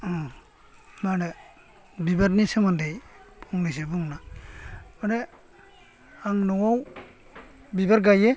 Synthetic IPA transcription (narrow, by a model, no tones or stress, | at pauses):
ɔ | manɛ | bibaɾnisamandejpʰɔŋnis̬ebuŋna | manɛ | aŋnɔwaw | bibaɾɡaje